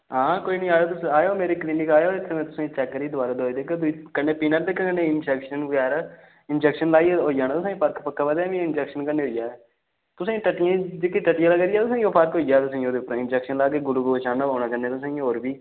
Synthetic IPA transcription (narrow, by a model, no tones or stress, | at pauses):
ɦãːkoːiːnəĩːaːjoːt̪ʊsaːjoːmeːɾeːkliːnɪkaːjoːɪt̪ʰːemẽːt̪ʊsãːt͡ʃɛːkːəɾiːd̪ʊaːɾeːd̪ɦod̪eːkːd̪ikənːeːpiːnəɾd̪eːkəənẽːɪnd͡ʒɛːkʃənɡaːɾ | ɪnd͡ʒɛːkʃənlaːiɦoːjaːnãːt̪ʊsãːĩːpəɾkpəkːaːbəd̪aːʋĩɪnd͡ʒɛːkʃənkənːeːɦoːijaːɛ | t̪ʊsẽːʈəʈːɪjãːd͡ʒekːeʈəʈːɪjãːləɡd̪ijaːt̪ʊsãːoːpʰəɾkɦoːijaːt̪ʊsãːĩoːd̪eːʊpːəɾɪnd͡ʒɛːkʃənlaːɡeːɡʊluɡot͡ʃaːnaːɦoːɽnãːkəneːt̪ʊs̬ːĩːoːɾbiː